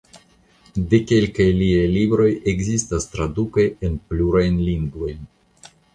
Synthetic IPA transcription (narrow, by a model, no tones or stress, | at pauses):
de̞ke̞lkajliajlibɾo̞je̞ɡzistastɾaduke̞enpluɾajnliŋɡvo̞jn